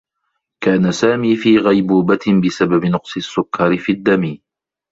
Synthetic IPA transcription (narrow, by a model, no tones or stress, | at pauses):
kaːnasaːmiːfiːɣajbuːbabɪsababɪnʊqsˤɨsːʊkːɑɾɪfid̪ːamiː